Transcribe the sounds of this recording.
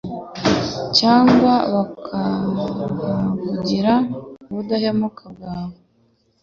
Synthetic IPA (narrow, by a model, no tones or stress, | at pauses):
caːŋɡwaβakʰa | βuɟiɾauβudahemukabɡaːβo